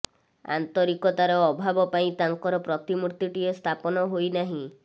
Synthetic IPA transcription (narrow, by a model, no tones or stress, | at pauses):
a̰nt̪ɔɾikɔt̪aɾɔːbʱabɔpaĩt̪aŋkɔɾɔpɾɔt̪imuɾt̪iʈiɔst̪ʰapɔnɔɦojnaɦĩ